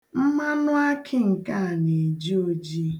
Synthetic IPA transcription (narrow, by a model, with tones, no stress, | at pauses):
m̩˦ma˦nʊ˦a˦kʰɪ˦ŋ̩˨ka˦˨ne˨d͡ʒi˦o˦d͡ʒi˦